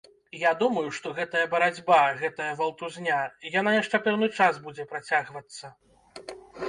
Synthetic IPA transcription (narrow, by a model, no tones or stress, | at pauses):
jad̪umɐjuʂt̪ɔɣɛt̪ɐjɐbɐɾad͡zʲbaɣɛt̪ɐjɐvɐlˠt̪uzʲnʲaijanajaʂt͡ʂɛpɛwnɨt͡ʂazbud͡zʲɛpɾat͡sʲaɣvɐt̪sːɐ